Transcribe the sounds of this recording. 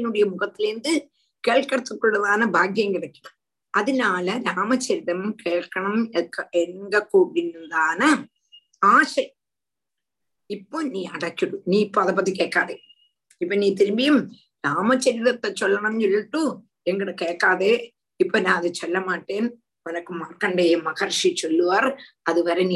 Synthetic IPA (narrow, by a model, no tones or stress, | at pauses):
inuɽɐjɐmuɣɐt̪ːilnd̪ɨ | keːɭkːɐɽɐt̪ːukːoɽɐðaːnɨbʱaːɡjɐmkiɽɐkʲːɐ̥ɳɐm | ɐðinaːlɐɾaːmɐt͡ɕːɐɾiðɐmkeːɭkːɐɳɐmekːeŋɡɐkːoɽinːind̪aːnɨ | aːʂɐj | ipːo̞ːniːɐɽɐkːiɽuniːipːoːɐðɐpːɐt̪̬ːikeːkːaːðe | ipːoːniːt̪iɾmbijum | ɾaːmɐt͡ɕːɐɾiðɐt̪ːet͡ɕːolːɐɳɐmt͡ɕiɭːʈːu | eŋɡiɽɨkeːkːaːðe | ipːoːnaːɐðɨt͡ɕolːɐmaːʈːeːn | mɐnɐkːɨmaːrkːɐɳɖejumːɐɣɐrʂit͡ɕolːuʋɐr | ɐðɨʋɐɾeni